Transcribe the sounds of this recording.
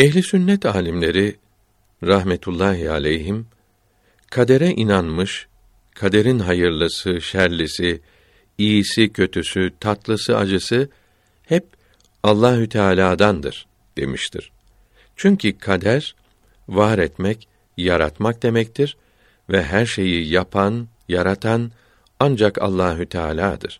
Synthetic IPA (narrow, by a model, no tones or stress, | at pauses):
ɛçlʲisynːɛt̪ʰaːlʲimlʲe̞ɾi | ɾaɦmet̪ʰulˠːaːɦia̰lʲɛjɦim | kʰad̪e̞ɾɛʔinanmɯʃ | kʰad̪e̞ɾinɦajɯɾlˠɯsɯʃæɾlʲisi | ijːsicʰø̞t̪ʰysyt̪ʰat̪lˠɯsɯad͡ʒɯsɯ | hɛp̚ | alˠːaːɦyt̪ʰaːlʲaːd̪and̪ɯ̰ɾ̥ | d̪̥e̞̰miʃt̪ʰḭɾ̥ | t͡ʃʰyɲcʰikʰad̪æɾ | vaːɾɛt̪mɛc | jaɾa̰t̪mak̚d̪e̞mɛc̚t̪ʰiɾ | vɛɦæɾʃe̞jijapʰan | jaɾat̪ʰan | and͡ʒaka̰lˠːaːɦyt̪ʰa̰ːlʲaːd̪ɯ̰ɾ̥